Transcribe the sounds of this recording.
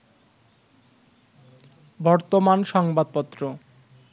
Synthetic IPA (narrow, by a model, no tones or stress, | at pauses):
bɔɾt̪omanʃɔŋbad̪̚pɔt̪ːɾo